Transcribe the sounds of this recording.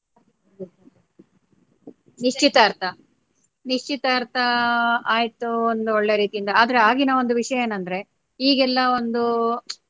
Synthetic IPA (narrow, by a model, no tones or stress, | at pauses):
niʂt͡ʃit̪ɐːɾt̪ʰɐ | niʂt͡ʃit̪ɐːɾt̪ʰɐaːjt̪uond̪uoɭːejɐɾiːt̪ijind̪ɐaːd̪ɐɾe̞aːɡinɐo̞nd̪uʋiʂɐjɐjeːnɐnd̪ɐɾe̞ | iːɡɛlːɐo̞nd̪u